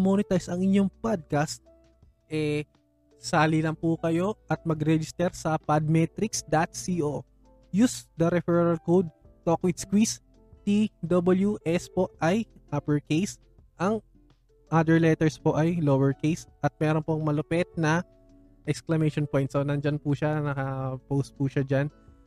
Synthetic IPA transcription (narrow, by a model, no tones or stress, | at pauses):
monɪt̪ajsɐŋɪɲo̞ŋpad̪̚kɐst̪̚ | ʔɛ | saːlɪlɐmpukɐjo̞ʔɐt̪̚mɐɡɾɛd͡ʒɪst̪ɛɾsɐpɐd̪̚mɛt̪ɾɪksd̪ɐt̪̚siʔo | jusd̪ɐɾɛfɛɹɾɐlkod̪̚t̪okwɪd̪skwis | t̪id̪obɐljuʔɛspo̞ʔʔɐjʔaːpɛɹkejs | ʔɐŋ | ʔad̪ɛɹlɛt̪ɛɹspo̞ʔɐjlowɛɹkejsʔɐt̪̚mɛɾonpoŋmɐlʊpɛt̪̚nɐ | ʔɛksklɐmɛjʃonpo̞jnt̪sonɐnd͡ʒɐnpʊʃanɐkɐpowst̪̚puʃad͡ʒan